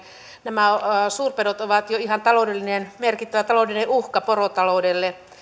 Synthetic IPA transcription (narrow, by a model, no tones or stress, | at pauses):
næmæsuːrpedot̪oʋɑt̪joiɦɑnt̪ɑloudelːinenmerkit̪ːæʋæt̪ɑlodelineʔʔuhkɑporot̪ɑloudelːe